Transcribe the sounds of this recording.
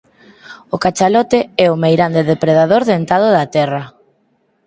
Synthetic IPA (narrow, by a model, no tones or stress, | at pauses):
ʊkat͡ʃalɔt̪ɪɛʊmejɾand̪eðepɾeðaðoɾðent̪að̞ʊðɐt̪ɛrɐ